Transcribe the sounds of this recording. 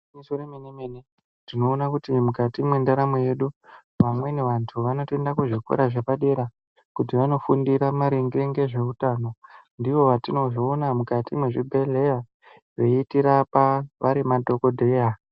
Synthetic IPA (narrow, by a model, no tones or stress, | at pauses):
misoreminimene | tino̞ːnakutimukatimwendaɾamoje̞ɗu | ʋamwe̞neʋantʰuʋano̞te̞ndakuʐikwo̰ɾaʐe̞paɗe̞ɾa | kut̬iʋano̞fundiɾamaɾiŋɡireŋɡe̞ʐe̞utano̞ | ndiʋo̞ʋatino̞ʐoːnamukatimweʐibʱe̞le̞ja | ʐe̞itiɾapaʋaɾimadʱo̞ko̞dʱe̞ja